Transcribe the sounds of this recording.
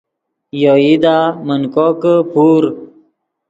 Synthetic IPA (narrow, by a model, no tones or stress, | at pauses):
joid̪amənkokəpʰuɾ